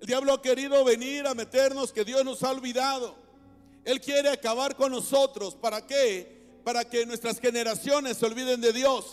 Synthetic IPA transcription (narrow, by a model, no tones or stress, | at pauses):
eld̪jaβlo̞ake̞ɾiðo̞βe̞niɾame̞t̪e̞ɾno̞ske̞ðjo̞zno̞saolβiðað̞o̞ | e̞lkje̞ɾe̞akaβaɾko̞nːo̞so̞t̪ɾo̞spaɾake | paɾake̞nwe̞st̪ɾasxe̞ne̞ɾasjo̞ne̞sːeo̞lβiðe̞nd̪e̞ðjo̞s